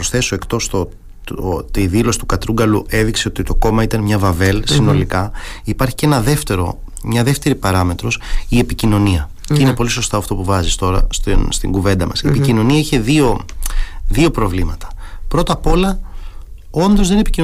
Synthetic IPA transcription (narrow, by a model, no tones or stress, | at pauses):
pɾosθe̞so̞e̞kt̪o̞st̪o | t̪iðilo̞si̥t̪ukɐt̪ɾuɡɐluʔe̞ðikse̞o̞t̪it̪o̞ko̞mɐit̪ɐnmɲɐvɐve̞lsino̞likɐipɐɾçi̥ce̞nɐðeft̪eɾo̞̰ | mɲɐðe̞ft̪e̞ɾipɐɾɐme̞t̪ɾo̞sie̞picino̞niɐ | cinepo̞liso̞st̪ɐɐft̪o̞puvɐzist̪o̞ɾɐ̰st̪inst̪iŋɡuve̞nd̪ɐmɐsiepicino̞niɐiçe̞ðio̞ | ðio̞pɾo̞vlimɐt̪ɐ̥ | pɾo̞t̪ɐpo̞lɐ | o̞nd̪o̞zðenepicin